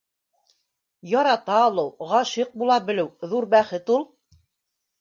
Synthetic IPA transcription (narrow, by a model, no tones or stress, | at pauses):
jɑɾɑt̪ɑːlˠɤwʁɑʃiq̚bulˠɑbɘ̆lɘwðuɾbæχɘt̪ulˠ